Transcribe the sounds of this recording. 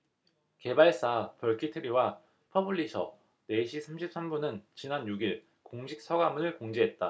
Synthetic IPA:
ke̞baɭs͈apʌɭkʰitʰɯɾiwa | pʰʌbɯɭːisʰʌ | ne̞ɕʰisʰamɕʰip̚s͈ambunɯnt͡ɕinanjuɡiɭ | koŋɕʰik̚s͈ʰʌɡamunɯɭkoŋd͡ʑeɦe̞t̚t͈a

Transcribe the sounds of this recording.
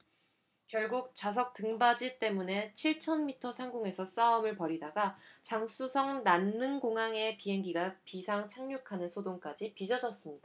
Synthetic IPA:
kjʌɭɡuk̚t͡ɕas̬ʰʌk̚t͈ɯŋbad͡ʑit͈e̞mune̞t͡ɕʰiɭt͡ɕʰʌnmitʰʌsʰaŋɡoŋe̞sʰʌs͈aɯmɯɭpʌɾidaɡat͡ɕaŋs͈usʰʌŋnanːɯnɡoŋaŋe̞piɦe̞ŋɡiɡapisʰaŋt͡ɕʰaŋɲukʰanɯnsʰodoŋk͈ad͡ʑipid͡ʑʌd͡ʑʌs͈ɯmɲid̥aa

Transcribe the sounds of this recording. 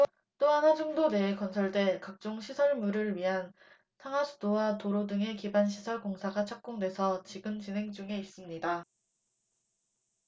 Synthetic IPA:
t͈oɦanɦad͡ʑuŋdone̞ːkʌnsʰʌɭdwe̞kak̚t͡ɕ͈oŋɕʰisʰʌɭmuɾɯɭɥiɦan | tʰaŋasʰu̥dowatoɾodɯŋe̞kibanɕʰisʰʌɭkoŋsʰaɡat͡ɕʰʌk̚k͈oŋdwe̞sʰʌt͡ɕiɡɯmt͡ɕinɦe̞ŋd͡ʑuŋe̞is͈ɯmɲida

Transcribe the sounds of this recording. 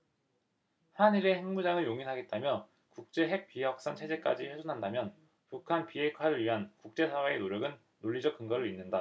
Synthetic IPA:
haniɾe̞he̞ŋmud͡ʑaŋɯɭjoŋinɦaɡe̞t̚t͈amjʌ | kuk̚t͡ɕ͈e̞ɦe̞k̚p͈iɦak̚s͈ant͡ɕʰe̞d͡ʑe̞k͈ad͡ʑiɸwesʰunɦandamjʌn | pukʰanpiɦe̞kʰwaɾɯɾɥiɦankuk̚t͡ɕ͈e̞sʰawe̞ːnoɾjʌɡɯnːoʎːid͡ʑʌk̚k͈ɯŋɡʌɾɯɾinːɯnda

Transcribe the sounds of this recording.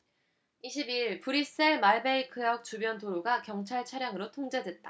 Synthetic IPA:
iɕʰibiɭpuɾis͈eɭmaɭbe̞ikʰɯjʌk̚t͡ɕubjʌntoɾoɡakjʌŋt͡ɕʰaɭt͡ɕʰaɾjaŋɯɾotʰoŋd͡ʑe̞dwe̞t̚t͈a

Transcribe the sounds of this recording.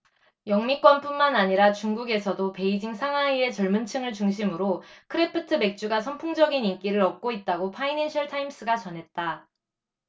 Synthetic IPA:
jʌŋmik͈wʌnp͈unmanaɲiɾat͡ɕuŋɡuɡe̞sʰʌdope̞id͡ʑiŋsʰaŋɦwaie̞t͡ɕʌɭmunt͡ɕʰɯŋɯɭt͡ɕuŋɕʰimɯɾokʰɯɾepʰɯtʰɯme̞k̚t͡ɕ͈uɡasʰʌmpʰoŋd͡ʑʌɡinink͈iɾɯɾʌk̚k͈oit̚t͈aɡopʰaineɕʰʌɭtʰaims͈ɯɡat͡ɕʌnɦe̞t̚t͈a

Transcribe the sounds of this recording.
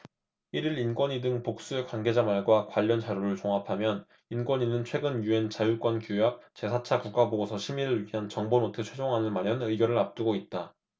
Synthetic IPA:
iɾiɾinkwʌɲidɯŋpok̚s͈ue̞kwanɡe̞d͡ʑamaɭɡwakwaʎːʌnt͡ɕaɾjoɾɯɭt͡ɕoŋapʰamjʌn | inkwʌɲinɯnt͡ɕʰwe̞ɡɯnjue̞nt͡ɕajuk͈wʌnkjojak̚t͡ɕe̞sʰat͡ɕʰakuk̚k͈aboɡosʰʌɕʰimiɾɯɭɥiɦant͡ɕʌŋbonotʰɯt͡ɕʰwe̞d͡ʑoŋɦanɯnmaɾjʌnɯiɡjʌɾɯɭap̚t͈uɡoit̚t͈a

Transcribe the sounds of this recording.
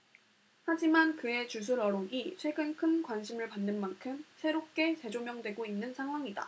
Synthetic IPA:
had͡ʑimankɯe̞t͡ɕus̬ʰuɾʌɾoɡit͡ɕʰwe̞ɡɯnkʰɯnkwanɕʰimɯɭpanːɯnmankʰɯmsʰe̞ɾop̚k͈e̞t͡ɕe̞d͡ʑomjʌŋdwe̞ɡoinːɯnsʰaŋɦwaŋida̰

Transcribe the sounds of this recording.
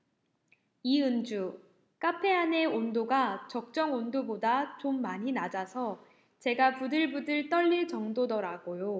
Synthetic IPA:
iɯnd͡ʑu | k͈apʰe̞ane̞ondoɡat͡ɕʌk̚t͡ɕ͈ʌŋondobodat͡ɕomːaɲinad͡ʑasʰʌ | t͡ɕe̞ɡapudɯɭbudɯɭt͈ʌʎːiɭt͡ɕʌŋdodʌɾaɡojo

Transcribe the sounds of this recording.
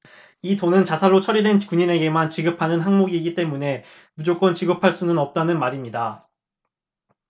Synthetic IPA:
itonɯnt͡ɕasʰaɭːot͡ɕʰʌɾidwe̞nkuɲine̞ɡe̞mant͡ɕiɡɯpʰanɯnɦaŋmoɡiːɡit͈e̞mune̞ | mud͡ʑok͈wʌnt͡ɕiɡɯpʰaɭs͈unɯnʌp̚t͈anɯnmaɾimɲida

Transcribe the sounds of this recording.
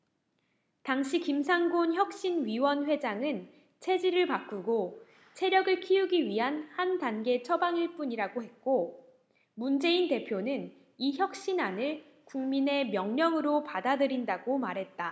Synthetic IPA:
taŋɕʰikimsʰaŋɡonçjʌk̚ɕ͈inɥiwʌnɸwe̞d͡ʑaŋɯn | t͡ɕʰe̞d͡ʑiɾɯɭpak͈uɡo | t͡ɕʰe̞ɾjʌɡɯɭkʰiuɡiɥiɦanhandanɡe̞t͡ɕʰʌbaŋiɭp͈uɲiɾaɡoɦhe̞t̚k͈o | mund͡ʑe̞inte̞pʰjonɯn | içjʌk̚ɕ͈inanɯɭ | kuŋmine̞mjʌŋɲʌŋɯɾopadadɯɾindaɡomaɾɦe̞t̚t͈a

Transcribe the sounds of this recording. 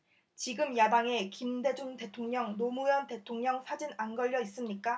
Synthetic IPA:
t͡ɕiɡɯmjadaŋe̞kimde̞d͡ʑuŋte̞tʰoŋɲʌŋnomujʌnte̞tʰoŋɲʌŋsʰad͡ʑinanɡʌʎːʌis͈ɯmɲik͈a

